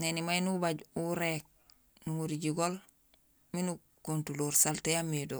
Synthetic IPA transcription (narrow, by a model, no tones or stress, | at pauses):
nenimajnubaɟuɾek̚ | nuŋuɾiɟiɡol | minu | kuntuluːɾsaltejamido